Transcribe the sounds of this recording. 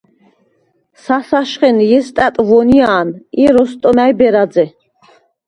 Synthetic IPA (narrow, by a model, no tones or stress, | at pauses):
sasaʃχɛnjɛst̪ʼæt̪ʼvɔnijaːniɾɔst̪ʼɔmæjbɛɾad̪d͡zɛ